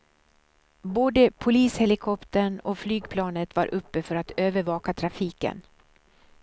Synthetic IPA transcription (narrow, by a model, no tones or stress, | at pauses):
boːd̪əpʰʊliːshɛlɪkʰɔpt̪əɳɔflyːɡpʰlɑːnət̪va̰ɾʔɵpːəfœɾat̪øːvəɾvɑːkat̪ʰɾafiːkə̰n